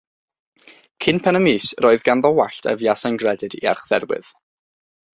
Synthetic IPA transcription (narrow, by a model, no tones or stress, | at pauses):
kʰɪnpʰɛnəmiːsroɨðɡanðɔwaɬtʰə̰vjasajnɡrɛdɨdḭa̰rχð̥ɛ̰ɾwɨ̰ð̥